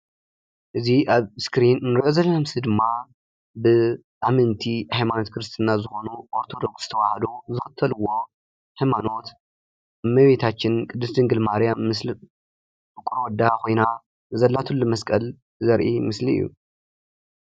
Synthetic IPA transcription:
ʔɨziʔaβskɾinːɨɾiʔozɐlɐnamsɨd̪ɨmːa | bɨ | ʔamɨnt̪ʰihajmano̞t̪kʰɾɨst̪ʰɨnːazɨxo̞nuʔoɾt̪ʰo̞d̪o̞ksz̥ɨt̪ʰɐwahɐd̪uzɨxɐt̪ʰːɐlɨwːo̞ | ħajmano̞t̪ | mɐβet̪ʰat͡ʃːɪnkʼɨd̪ːɨsd̪ɨŋɡɨlmaɾjamːɨs | bɨkʼuɾwɔd̪ːakʰo̞jna | zɐlːat̪ʰulːumɐskʼɐl | zɐɾʔimɨsliɨ̰jːṵ

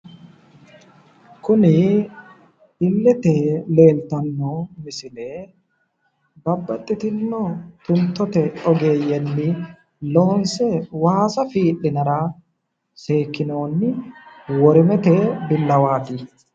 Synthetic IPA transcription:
kʊnɪ | ɪlːɛt̪ele̞ːlt̪ɐnːɔmɪsɪle | bɐbːɐt̪ʼːɪt̪ɪnːɔt̪ʊnt̪ːɔt̪ɛɔɡe̞ːjɛnːɪ | lo̞ːnsɛwaːsɐfiːᶑːɪnɐɾɐ | seːkːɪnoːnːɪwɔɾɪmɛt̪ɛbɪlːɐwaːt̪ɪ

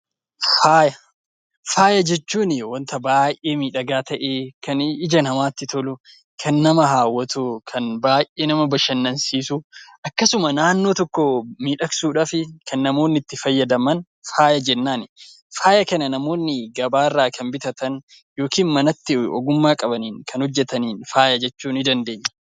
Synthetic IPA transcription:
faːjɐ | faːjɐd͡ʒɛt͡ʃːuːnɪwɐnt̪ɐbaːjʔeːmiːᶑɐɡaːt̪ɐʔeːkɐnɪd͡ʒɐnhɐmaːt̪ːɪt̪ɔlʊ | kʰɐnːɐmɐɦaːwɐt̪ʊkʰɐnbaːjʔe̞ːnɐmɐbɐʃɐnːɐnsiːsʊʔɐkːɐsʊmɐnaːnːo̞ːt̪ɔkːɔmiːᶑɐksuːᶑafɪkʰɐnːɐmo̞ːnːɪt̪ːɪfɐjːɐd̪ɐmɐn | faːjɐd͡ʒɛnːaːnɪ | faːjɐkɐnɐnɐmo̞ːnːɪɡɐbaːrːaːkʰɐnbɪt̪ɐt̪ɐn | jo̞ːkiːnmɐnɐt̪ːɪɔ̰ɡʊmːaːkʼɐbɐniːŋkʰɐnhɔd͡ʒːɛt̪ɐniːnfaːjɐd͡ʒɛt͡ʃːuːnɪd̪ɐnd̪e̞ːɲːɐ̥

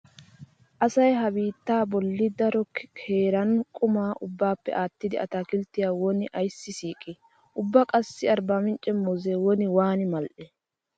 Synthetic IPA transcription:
ʔɐsɐjɦɐbiːt̪ːaːbɔlːɪd̪ɐɾɔkkʰeːɾɐnkʼʊmaːʔʊbːaːpːɛ̰ʔaːt̪ːɪd̪ɪɐ̰t̪aːkɪlt̪ːɪjaːwɔnɪʔɐjsːɪsiːkʼːɪ | ʔʊbːɐkʼɐsːɪɐɾbaːmɪnt͡ʃʼɛmːɔzewɔnɪwaːnɪmɐlʔɛ

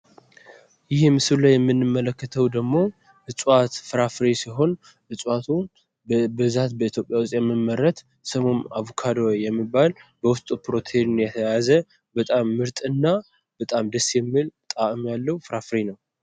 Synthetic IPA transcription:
jɪhmːɨsɨlajɛmːɨnːɨmːələkːət̪ʰəwd̪əɡmo̞ | ɨt͡sʼwat̪fɨɾafɾisiɦo̞n | ʔɨsʼwat̪ʰu | bɨzat̪bəit̪ʰjopʼjawʊst̪ʼjɛmːɨmːəɾːət̪ | səmo̞naβukʰad̪ojjɛmːibːalbəwʊst̪ʼupɾo̞t̪ʰeʒnjɛt̪ʰəjazə | bət̪ʼamːɨɾt̪ʼɨnːa | bət̪ʼamd̪əsjɛmːilt̪ʼaʔɨmjalːəwufɾafɾinəw

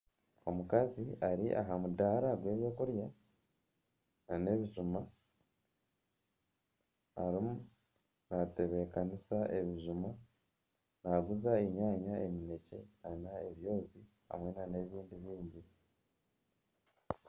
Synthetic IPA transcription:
o̞mukaziaɾiʔa̰ɦamudaɾaɡwe̞ːβjo̞ːkuɾja | nane̞βiʒuma | ɾimu | nate̞βe̞kanisaʔe̞βiʒuma | naɡuzaeɲaːɲae̞mine̞ce̞nanae̞βjo̞ːzi | ha̰mwe̞nane̞βiːndiβiːɲɟi

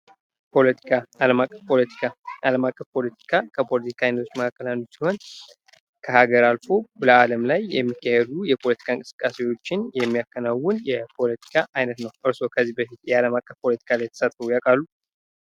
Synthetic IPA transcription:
pʰo̞lət̪ʰi̥kʰaaləmakʼːəfpʰo̞lət̪ʰi̥kʰaaləmakʼːəfpʰo̞lət̪ʰi̥kʰakʰəpʰo̞lət̪i̥kʰaajnət̪ʰot͡ʃːməkʰakːəlanːusiho̞n | kʰəhaɡəɾalfo̞bləaləmlajːɛmːikːahed̪ujɛpʰo̞lət̪ʰi̥kʰaɨŋkʼɨsɨ̥kʼːasewo̞t͡ʃːɪnjɛmːijakːənawːʊnjɛpʰo̞lət̪ʰi̥kʰaʔajnət̪nəwʔɨɾso̞kʰəzːihbəfit̪jɛaləmakʼːəfpʰo̞lət̪ʰi̥kʰalajɛt̪ʰə̥sət̪ʼəwujakʼalːu

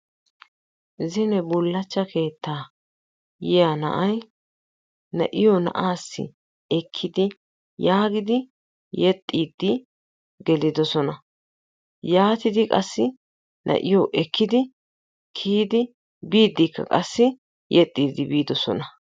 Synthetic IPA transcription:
zɪnɛbʊlːɐt͡ʃːɐkʰe̞ːt̪ːaː | jɛjanɐ̰ʔɐj | nɐ̰ʔɪjɔnɐ̰ʔaːsːɪ̰ | ɛkʰːɪd̪ɪ | jaːɡɪd̪ɪ | jɛt̪ʼːiːd̪ːɪ | ɡɛlɪd̪ɔsɔnɐ | jaːt̪ɪd̪ɪkʼɐsːɪ | nʔɐ̰ʔɪjɔʔɛkʰːɪd̪ɪ | kʰiːd̪ɪ | biːd̪ːɪkːɐ̰kʼɐsːɪ | jɛt̪ʼːiːd̪ːɪbiːd̪ɔsɔ̰nɐ

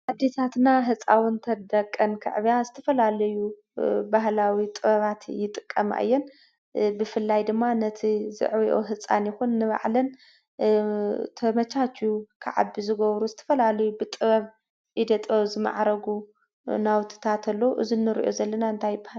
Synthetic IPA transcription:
ʔad̪ːet̪ʰat̪naɦɨt͡sʼawʊnt̪ʰɐd̪ɐkʼːɐnkʰɨ̰ʕβijazɨt̪ʰɐfɐlalɐju | bahlawit̪ʼɨβɐβat̪jɪt̪ʼɨkʼːɐma̰ʔɨ̰jːɛn | bɨfɨlːajd̪ɨmːanɐt̪ʰizɨ̰ʕβiʔo̰ɦɨt͡sʼːa̰njɪxunːɨβa̰ʕlɐn | t̪ʰɐmɐt͡ʃʰat͡ʃːukʰa̰ʕa̰bizɨɡɐβɾuzɨt̪ʰɐ̥fɐlalɐjubɨt̪ʼɨβɐβ | ʔid̪ɐt̪ʼɐzɨma̰ʕɾɐɡu | nawt̪ʰɨ̥t̪ʰat̪ʰɐlːouʔɨ̰zinːɨɾḭʔozɐlːɐnaɨnt̪ʰajɪbahal

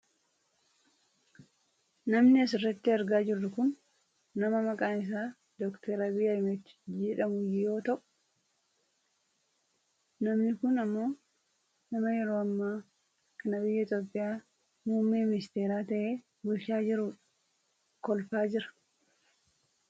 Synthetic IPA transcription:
nɐmnɪɐs̬ɪrːɐt̪ːɪɐɾɡaːd͡ʒɪrːʊkʊnː | ɐmɐmɐkʼaːnɪs̬aː | d̪ɔkt̪ʰɛɾɐbɪjaɪmɛt̪ːɪ̥d͡ʒɛᶑɐmʊjjo̞ːt̪ɐʔʼ | nɐmnɪkʊnɐmːo̞ː | nɐmɐjɛɾo̞ːɐmːaː | kɐnɐbɪjːɐɪt̪joːpʼːɪjaː | muːmːeːmɪnɪst̪e̞ːɾaːt̪ɐʔe̞ː | ɡʊʃaːd͡ʒɪɾuːᶑɐ | kɔlfaːd͡ʒɪɾɐ̥

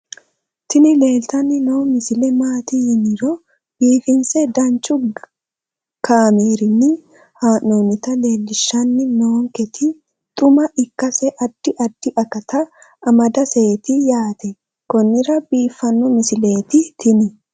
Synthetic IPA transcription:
t̪ɪnɪle̞ːlt̪ɐnːɪnowmɪsɪlɛmaːt̪ɪɪnɪɾɔ | b̥iːfɪnsɛd̪ɐnt͡ʃːʊ | kaːmeːɾɪnːɪ | haːnoːnɪt̪ɐle̞ːlːɪʃːɐnːɪnoːŋkɛt̪ʰɪ | t̪ʼʊmɐʔɪkːɐsɛʔɐd̪̥ːɪʔɐd̪̥ːɪʔɐkɐt̪ɐː | mɐd̪ɐseːt̪ɪjaːt̪ɛ | kɔnːɪɾɐbiːfːɐnːɔmɪsɪle̞ːt̪ɪt̪ʰɪnɪ

